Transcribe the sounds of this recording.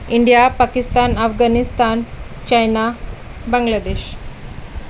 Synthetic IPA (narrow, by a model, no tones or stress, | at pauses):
iɳɖijapakist̪anəfɡanist̪an | t͡ɕajna | bəŋɡlad̪eɕ